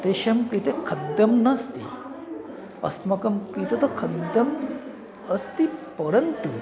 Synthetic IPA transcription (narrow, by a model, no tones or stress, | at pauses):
t̪eʃɐmkɾit̪ekʰɐd̪jɐmnɐst̪ḭ | ɐ̰st̪mɐkɐmkɾit̪ɐt̪ɐkʰɐd̪jɐm | ɐst̪ipɐɾɐnt̪u